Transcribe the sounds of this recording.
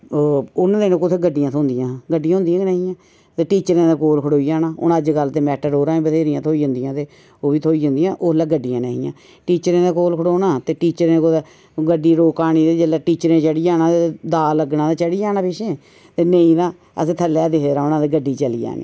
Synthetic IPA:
ʊnːd̪eːnõkʊt̪ʰeːɡəɖijãːt̪ʰoːnd̪ijãːɡəɖijãːʊ̃nd̪ijãːɡnaːĩːãː | t̪eːʈiːt͡ʃəɾẽːd̪aːkoːlkʰəɽoːid͡ʒaːnaːʊ̰nəd͡ʒɡəlt̪eːmɛːʈəɾoːɾãːĩːbəseːɾijãːt̪ʰoːiːd͡ʒʊ̃nd̪ijãːt̪eː | oːʋiːt̪ʰoːiːɦʊ̃nd̪ijãːʔoːlaːɡəɖːijãːneːĩːã̰ː | ʈiːt͡ʃɾẽːd̪aːkoːlkʰəɽoːnaːt̪eːʈiːt͡ʃəɾẽːko | ɡəɖiːɾoːkaːñiːd̪eːd͡ʒəlaːʈiːt͡ʃəɾẽːt͡ʃəɽiːd͡ʒaːnãːt̪ed̪aːləɡnãːt̪aːt͡ʃəɽiːd͡ʒaːnãːpɪʃẽː | t̪eːneĩːɾãː | əsẽːt̪ʰəlːɛːd̪eɦɾaːʊnãːd̪eːɡəɖːiːt͡ʃəlḭːd͡ʒa̰ːnḭː

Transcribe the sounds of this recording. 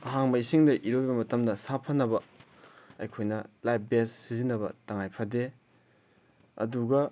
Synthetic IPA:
ɐɦaŋbɐisiŋdɐʔiɾobɐmɐtɐmdɐsapʰɐnɐbɐ | ɐjkʰojnɐlajp̚ʰbessizinːɐbɐtɐŋajpʰɐde | ɐ̰duɡɐ

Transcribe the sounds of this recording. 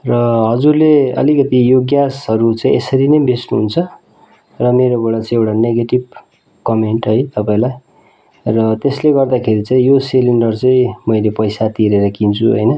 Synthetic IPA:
rʌɦʌd͡zurleʌ̰likʌt̪ijoɡjasɦʌɾut͡saĩʔesʌɾinʌjbesnuɦunt͡sʰʌ | rʌmeɾobeɽat͡sãĩewʈaneɡeʈib̚ | kʌmeɳʈɦʌjt̪ʌpaĩlaj | rʌt̪esleɡʌrd̪akʰeɾit͡saĩjoseliɳɖʌrt͡sãĩmʌjlepʌjsat̪iɾeɾʌkint͡sʰuɦʌ̰jnʌ

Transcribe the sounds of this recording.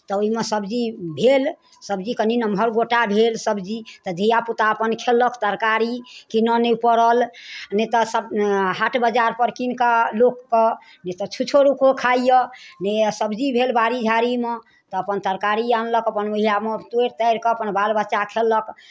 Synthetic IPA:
t̪ɔoimesəbd͡ʒibʱel | səbd͡ʒikəninəmbʱəɾɡoʈabʱelsəbd͡ʒit̪ɔd̪ʱijaput̪aəpənkʰelːəkt̪əɾkaɾikinənɛpəɾəlnet̪ɔsəbɦaʈʰbəd͡ʒaɾpəɾkinkalokːɔ | net̪ɔt͡ʃʰut͡ʃʰoɾukʰokʰaijənesəbd͡ʒibʱelbaɾid͡ʒʱaɾime | t̪ɔəpənt̪əɾkaɾijanləkəpənbəɦijamet̪eɾt̪əjɾkɔəpənbalbətːʃakʰelːək

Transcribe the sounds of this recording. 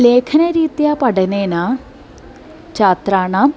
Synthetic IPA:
leːkʰɐnɐɾiːt̪japɐɽɐneːna | t͡ɕaːt̪raːɳam

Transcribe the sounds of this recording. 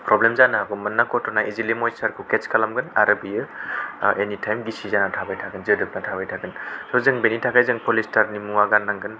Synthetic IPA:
pɾɔblemzanaɦaɡɔmɯnːakʰɔtɔnaizilimɔjsaɾkʰuket͡ʃkʰalamɡɯna̰ɾabijɯ | enitʰajmɡisizanatʰabajtʰaɡɯnzɯdɯp̚natʰabajtʰaɡɯnsɔzɯŋbenitʰakʰajzɯŋpɔlistʰaɾnimuaɡanːaŋɡɯn

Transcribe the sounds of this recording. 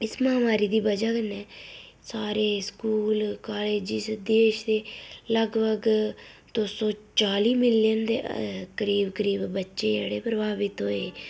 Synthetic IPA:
ɪsməaːmaːɾiːd̪iːbəd͡ʒaːkənɛː | saːɾeːskuːlkaːleːd͡ʒiːsd̪eːʃd̪eːləɡbəɡ | d̪osõːt͡ʃaːliːmɪljənd̪ḛːkəɾiːbkəɾiːbbətːʃeːd͡ʒəɽeːpɾəbaːbɪt̪ɦoːeː

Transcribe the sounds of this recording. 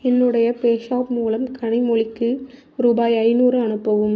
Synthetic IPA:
ɛnːɯɽɐjɐpeːʃaːpmuːlɐmkʰɐɳɪmɔɭɪkːɯ | ɾuːbaːjɐɪnuːɾɯɐɳɯpːɐʋɯm

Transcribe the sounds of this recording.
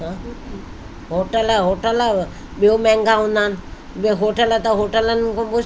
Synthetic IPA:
ɦã | ɦoːʈəlɦoːʈələ | ɓiõmɛ̃ŋɡãɦũːnd̪aːnɪ | bɦoʈələt̪ɐɦoʈələnkõːɓʊ

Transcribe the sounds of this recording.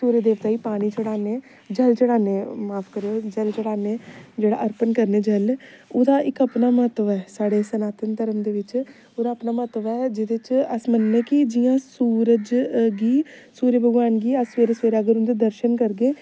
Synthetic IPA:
suːɾeːd̪eːʋt̪aːiːpaːɽ̃iːt͡ʃəɽaːneː | d͡ʒəlt͡ʃəɽaːneːmaːpʰkəɾeoːd͡ʒəlt͡ʃəɽaːneːd͡ʒeːɽa̰ːʔəɾpənkəɾneːd͡ʒəloːd̪aːʔɪkəpnaːməət̪ːəʋɛːsaːɽeːsənaːt̪ənt̪əɾəmd̪eːʋɪt͡ʃ | oːd̪aːəpnaːməət̪ːəʋɛːd͡ʒɪd̪et͡ʃəsmənːẽːkɪd͡ʒɪjãːsuːɾəd͡ʒɡiːsuːɾebʱəɡʋaːnɡiːəsʋeːɾəsʋeːɾaːɡəɾʊnd̪eːd̪əɾʃənkəɾɡeː

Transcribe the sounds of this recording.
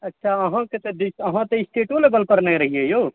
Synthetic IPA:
ɐtːʃʰaɐɦãket̪eɖisəɦãt̪eisʈʰeːʈolebəlpəɾnaɾəɦiejoː

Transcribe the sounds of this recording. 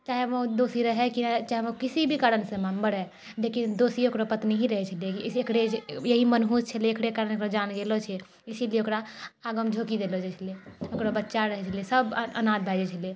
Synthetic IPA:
t͡ʃaɦeʋod̪osiɾəɦɛkint͡ʃaɦeʋokisibʱikaɾənsẽmambəɽɛ | lekind̪osiokɾopət̪niɦiɾəɦɛt͡ʃʰəlijekiekɽejəɦimənɦust͡ʃʰəleekɽekaɾənekɾod͡ʒanɡelot͡ʃʰɛ | isilieokɾaːɡəmd͡ʒʱokid̪elot͡ʃʰɛt͡ʃʰəlieokɾobətːʃaɾəɦɛt͡ʃʰəliesəbə̰nãd̪̚bʱad͡ʒɛt͡ʃʰəlie

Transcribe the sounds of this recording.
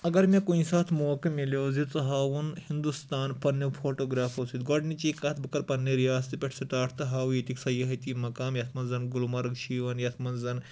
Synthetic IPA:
ɐɡɐɾmʲekunisaːt̪ʰmoːkɐmʲilozit͡sɐɦaːʋunhind̪ust̪aːnpɐnːjefʰoʈoɡɾaːfɐsiːt̪̚ɡɔɖnit͡ɕiːkaːt̪̚ʰbɐkɐɾpɐnːeɾijaːst̪ipʲeʈʰsɐʈ̪aːʈʰt̪ɐɦaːʋjet̪iksɐjɐɦɐjt̪iːmɐkaːmjɐt̪ʰmɐnzɐnɡulmɐɾɡʃiːʋɐnjat̪ʰmɐnzɐn

